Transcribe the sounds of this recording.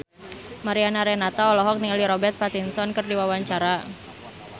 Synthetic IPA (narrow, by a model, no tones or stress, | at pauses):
maɾianaɾenat̪aɔlɔɦɔk̚niŋaliɾɔbɛrt̪̚pat̪insɔnkɨrdiwawaɲt͡ʃaɾa